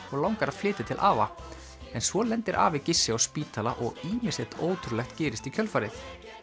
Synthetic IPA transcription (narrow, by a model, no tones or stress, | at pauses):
ɔɣlawŋkaɾḁflɪːt̪ɪt̪ʰɪlʔaːva | ɛnsvɔlɛnt̪ɪɾʔa̰ːvɪcɪsːɪɔspiːt̪ʰalaʔɔɣiːmɪsɛ̥t̪oːwt̪ʰɾʏlɛxt̪cɛːɾɪst̪icʰœlfaɾɪθ